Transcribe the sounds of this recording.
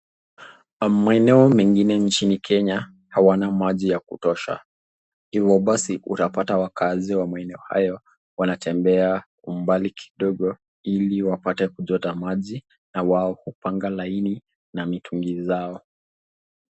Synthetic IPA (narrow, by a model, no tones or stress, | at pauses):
maɛnɛɔmɛŋɡinɛnt͡ʃinikʰɛɲa | hawanamaʄijakutɔʃa̰ | hivɔɓasiʔṵtapatawakaziwamaɛnɛɔha̰jɔ | wanatʰɛmbɛa | um̩balikʰi̥ɗɔɠɔ | iliwapatɛkuʄɔtamaʄi | nawaɔhupaŋɡalaini | namitʰuŋɡizaɔ